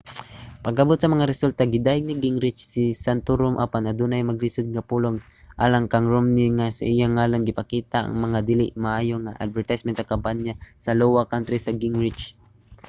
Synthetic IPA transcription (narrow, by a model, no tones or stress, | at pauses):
pɐɡʔɐbot̪sɐmɐŋaɾɛsult̪aɡɪd̪aːjɪɡ̚nɪɡɪŋɾɪt͡ʃsɪsant̪oɾʊmʔapanɐd̪unajmɐɡlɪsʊd̪̚ŋapuloɡ | ʔa̰ːlaŋkɐŋɹomniŋasa̰ʔijaŋaːlanɡɪpakiːt̪aʔɐ̰ŋmɐŋad̪ɪlɪʔmaʔaːjoŋa̰ʔa̰d̪̚vɛɹt̪ajsmɛnt̪sɐkambanasɐlowakant̪ɾisɐɡɪŋɹɪt͡ʃ